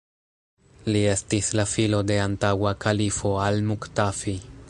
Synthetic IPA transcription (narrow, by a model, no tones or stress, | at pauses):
liest̪islafilod̪eant̪awakʰalifoalmukt̪afi